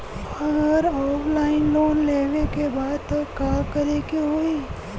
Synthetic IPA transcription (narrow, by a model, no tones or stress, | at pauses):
ɐɡəɾɔːpʰlaːɪnloːnleːɡekebaːd̪̚t̪ɐkːaːkɐɾekeɦoi